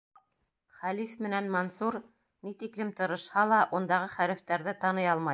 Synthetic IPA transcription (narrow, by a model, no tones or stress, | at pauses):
χælifmɘ̆nænmonsuɾ | nit̪iklɘmt̪ɤ̆ɾɤ̆ʃhɑlˠɑʔund̪ɑʁɤχæɾɘ̆ft̪æɾðɘt̪ɑnɤjɑlˠmɑj